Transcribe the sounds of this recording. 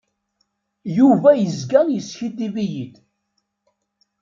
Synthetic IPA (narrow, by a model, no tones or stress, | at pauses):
juvæjəzɡænjəsçid̪ivijid̪